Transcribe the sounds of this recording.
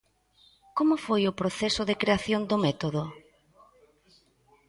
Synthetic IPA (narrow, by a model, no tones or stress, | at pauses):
komʊfojʊpɾoθɛsʊðekɾeaθjond̪ʊmɛt̪oðo